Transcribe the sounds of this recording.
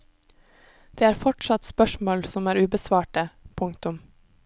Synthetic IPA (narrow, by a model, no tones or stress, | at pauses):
d̪̥eːæːɾfɔʈʃɑt̪spœʃmoːlsɔmæːɾʉːbəsʋɑːʈəpʰʊŋkt̪ʊm